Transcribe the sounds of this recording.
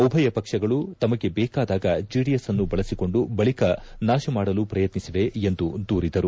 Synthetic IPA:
ɔbʱɐjɐpɐkʂɐɡɐɭut̪ɐmɐɡe̞bɛːkaːd̪aːɡɐd͡ʒiːɽiesɐnːubɐɭɐsiko̞ɳɖubɐɭikɐnaːʃɐmaːɽɐlupɾɐjɐt̪nisiʋe̞end̪ud̪uːɾid̪ɐɾu

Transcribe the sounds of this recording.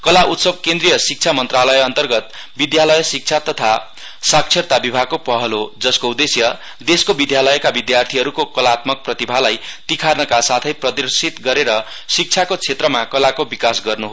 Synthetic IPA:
kʌlaʔut̪sʌb̚kẽnd̪rijʌsik̚t͡sʰamʌnt̪ralʌjʌnt̪ʌrɡʌt̪ | bid̪jalʌjsik̚t͡sʰat̪ʌt̪ʰa | sak̚t͡sʰert̪abibʱaɡ̚kopʌɦʌlod͡zʌskoud̪esjʌ | d̪eskobid̪jalʌjkabid̪jart̪ʰiɦʌɾukokʌlat̪mʌk̚prʌt̪ibʱalajt̪ikʰarnʌkasat̪ʰʌjprʌd̪ʌrsit̪ɡʌɾeɾʌ | sik̚t͡sʰakot͡sʰet̪rʌmakʌlakobikasɡʌrnuɦo

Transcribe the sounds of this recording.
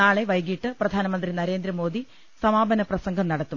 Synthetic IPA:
naːɭe̞ʋɐjɡiʈːɨprɐd̪ʱaːnɐmɐnd̪rinɐɾe̞ːnd̪ɾɐmo̞ːd̪ʱi | sɐmaːbɐnɐprɐsɐŋɡʱɐmnɐɽɐt̪ːum

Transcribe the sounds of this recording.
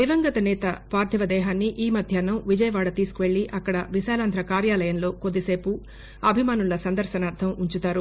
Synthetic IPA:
iʋɐŋɡɐt̪ɐnɛːt̪ɐpaːɾd̪ʱiʋɐd̪ɛːɦaːnːiʔiːmɐd̪ʱjaːnɐʋid͡ʒɐjɐʋaːɽɐt̪iːsu̥kuʋeɭːiʔɐkːɐɽɐʋiʃaːlaːnd̪ʱɾɐkaːɾjaːlɐjɐnlo̞ːkod̪ːise̞ːpu | ɐbʱimaːnulɐsɐnd̪ɐɾʃɐnaːɾt̪ʰɐmuɲt͡ʃut̪aːɾu

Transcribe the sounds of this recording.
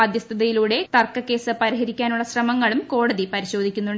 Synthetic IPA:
ɐd̪jɐst̪ʰɐðɐjiluːɽe̞t̪ɐrkːɐkːe̞ːsɨpɐɾiɦɐɾikʲːaːnuɭːɐɕrɐmɐŋːɐɭumko̞ːɽɐðipɐɾiɕo̞ːd̪ʱikʲːunːuɳɖ

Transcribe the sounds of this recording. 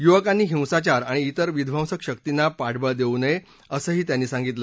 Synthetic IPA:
juʋəkanːiːɦĩw̃sat͡ɕaɾaɽ̃iːt̪əɾʋid̪ʱʋãw̃səkɕəkt̪inːapaɽbəɭd̪eunəe | əsəːɦiːt̪janːiːsãŋɡit̪ləː

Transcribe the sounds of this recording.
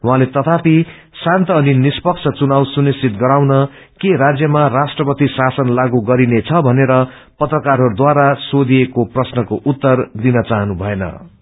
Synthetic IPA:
wɦãlet̪ʌt̪ʰapi | sãnt̪ʌːninispʌk̚t͡sʰʌt͡sunawsunisit̪ɡʌɾawnʌ | keɾad͡zjʌmarasʈrʌpʌt̪isasʌnlaɡuɡʌɾinet͡sʰʌbʱʌneɾʌ | pʌt̪rʌkaɾɦʌɾud̪waɾasod̪iekoprʌsnʌkoʔut̪ːʌrd̪inʌt͡saɦʌnubʱʌenʌ̰

